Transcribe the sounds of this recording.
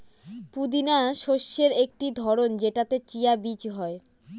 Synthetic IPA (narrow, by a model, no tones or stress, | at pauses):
pud̪inaʃoʃːeɾek̚ʈid̪ʱɔɾond͡ʑeʈat̪et͡ɕijabit͡ɕɦɔe